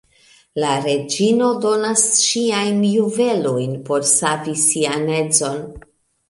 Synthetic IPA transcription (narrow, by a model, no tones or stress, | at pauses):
laɾe̞d͡ʒino̞do̞nasʃiajnjuve̞lo̞jnpo̞ɾsavisiane̞d͡zo̞n